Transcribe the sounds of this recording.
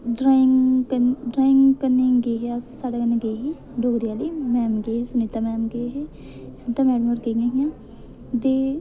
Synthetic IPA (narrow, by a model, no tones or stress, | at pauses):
ɖɾaːɪŋkənɖɾaːɪŋɡkənːẽːɡeːɦasaːɽaːkəneːɡeːɦeː | ɖoːɡɾjaːliːmɛːmɡeːesʊneːt̪aːmɛːmɡeːɦeː | sʊnːt̪amɛːɖəməɾɡeːjãːɦijãː | d̪eː